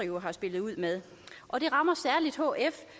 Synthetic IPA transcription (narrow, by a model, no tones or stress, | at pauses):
iɦɑ̈sb̥e̝lð̩ˠuð̰ˠmeð̞ˠ | ʔɒ̽d̥e̝ʁɑ̈mɐsæɐlid̥hɔ̰ːef